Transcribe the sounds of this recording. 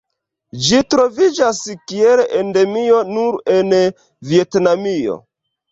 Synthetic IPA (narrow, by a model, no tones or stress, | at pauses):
d͡ʒitɾo̞vid͡ʒaskielende̞mio̞nuɾen | vie̞tnamio̞̰